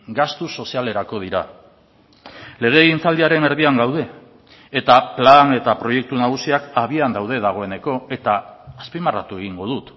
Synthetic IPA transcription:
ɡast̪uso̞siale̞ɾako̞ð̞iɾa̰ | le̞ɣ̞e̞ːɣint͡sald̪iaɾe̞ne̞ɾðiaŋɡawð̞e̞ː | t̪aplane̞t̪apɾo̞je̞k̚t̪unaɣ̞usiakaβiand̪awð̞e̞ð̞aɣ̞o̞e̞ne̞ko̞e̞t̪aːspimara̰t̪ue̞ɣ̞iŋɡo̞ðut̪

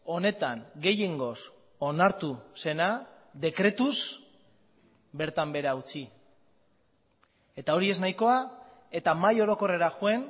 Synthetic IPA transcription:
o̞ne̞t̪aŋɡe̞jeŋɡo̞s | onaɾt̪use̞na | d̪e̞kɾe̞t̪us | be̞ɾt̪ambe̞ɾaut͡si | e̞t̪ao̞ɾie̞znajko̞a | e̞t̪amajo̞ɾo̞ko̞re̞ɾaxue̞n

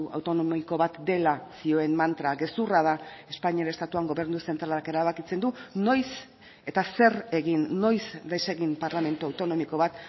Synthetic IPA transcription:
uʔa̰wt̪o̞nomiko̞βat̪d̪e̞lasio̞e̞mmant̪ɾaɣe̞surað̞ae̞spaɲiaɾest̪at̪uaŋɡo̞βe̞ɾnuse̞nt̪ɾalaɾake̞ɾaβakit͡se̞nd̪uno̞js | e̞t̪ase̞re̞ɣinːo̞jsd̪ajse̞ɣimpaɾlame̞nt̪uawt̪o̞no̞miko̞βat̪

